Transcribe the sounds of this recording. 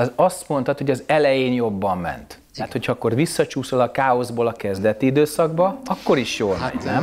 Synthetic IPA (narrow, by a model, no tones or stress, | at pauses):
zɒst̪mo̞nt̪ɒt̪ho̞ɟɒzɛlɛjeːnjo̞bːɒmːɛ̰nt̪ː | ɛat̪ho̞cʰɒɒkːo̞rvisːɒt͡ʃuːso̞lɒkaːo̞zboːlɒkɛzd̪ɛt̪iid̪øːsɒɡbɒɒkːo̞ɾiʃjoːnɛm